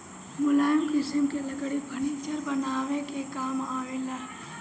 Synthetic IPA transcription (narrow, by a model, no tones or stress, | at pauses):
mʊlaːnkɪsimkelɐɡɽibʱɐnit͡ʃəɾbənaːʋẽkekaːmaːʋela